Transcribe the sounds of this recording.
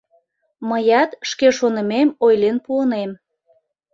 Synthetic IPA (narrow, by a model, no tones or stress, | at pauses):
məjɑt̪ʃkeʃonə̆memojlenpuənem